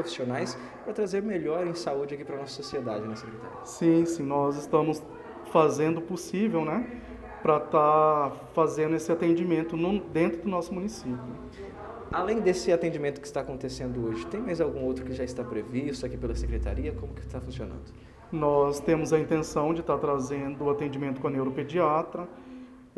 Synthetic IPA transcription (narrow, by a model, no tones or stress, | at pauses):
pɾofi̥sionajs | pɾɐt̪ɾazeɾmeʎɔɾẽj̃saud͡ʒɪakipɾɐnɔsɐ̥sosied̪ad͡ʒɪnɐsekɾet̪a̰ɾiɐsĩsĩnɔzɪst̪ɐ̃mʊs | fazẽnd̪ʊposivewnɛ | pɾɐt̪afazẽnd̪ʊesɪat̪ẽd͡ʒimẽnt̪ʊnʊd̪ẽnt̪ɾʊd̪ʊnɔsʊmũnisipjʊ | alẽj̃d̪esɪat̪ẽd͡ʒimẽnt̪ʊkɪst̪aːkõnt̪esẽnd̪ʊoʒɪt̪ẽj̃majzawɡũowt̪ɾʊkɪʒaɪst̪apɾevist̪ʊakipelɐsekɾet̪a̰ɾiɐkõmʊkɪ̥t̪afũsionɐ̰̃nd̪ʊ | nɔst̪ẽmʊzɐĩnt̪ẽsɐ̃w̃d͡ʒɪt̪aɾt̪ɾazẽnd̪ʊːat̪ẽd͡ʒimẽt̪ʊkõɐnewɾoped͡ʒiat̪ɾɐ